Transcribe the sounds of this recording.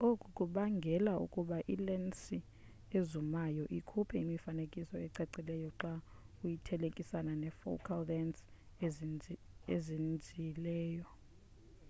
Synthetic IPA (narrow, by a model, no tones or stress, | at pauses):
okʼukʼuɓaŋɡʱɛlaṵkʼuɓaʔilɛnsi | ezumajɔʔikʰupʰɛimifanekʼisɔɛǀɛǀilɛjɔǀa | ujitʰɛlekʼisananɛfo̰kʰaldɛns | ezind͡zʱilɛːjɔ